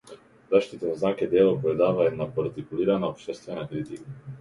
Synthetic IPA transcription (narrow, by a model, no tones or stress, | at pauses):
zaʃt̪it̪anznaːkɛd̪jeːlopɾɛd̪aːʋajɛnapoɾt̪ikuliːɾanaopʃt̪ɛst̪ʋɛnakɾit̪ika